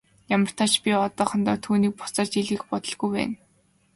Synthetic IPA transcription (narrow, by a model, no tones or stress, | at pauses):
jamə̆r̥t̪ʰaːt͡ɕpʲiɔt̪ɔːχɞ̆nt̪ɔːt̪ʰuːniːk̚pʊ̥t͡sɔːrt͡ɕiɮɣɘ̆xpɔt̪ɞ̆ɮɣujpæ̰ːn